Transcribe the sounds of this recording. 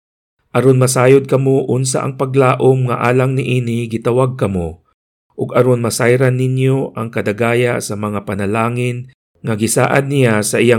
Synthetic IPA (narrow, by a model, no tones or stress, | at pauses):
ʔɐɾo̞nmɐsaːjod̪̚kɐmoʔʊnsa̰ʔɐ̰ŋpɐɡlaːʔomŋɐ̰ʔaːlaŋnɪʔiːnɪɡɪt̪ɐwaɡ̚kɐmo | ʔʊɡɐɾo̞nmɐsajɾanːɪnjoʔɐŋkɐd̪aɡaːjasɐmɐŋapɐnɐlaːŋɪn | ŋɐɡɪsa̰ːʔa̰d̪nːɪjasɐʔɪja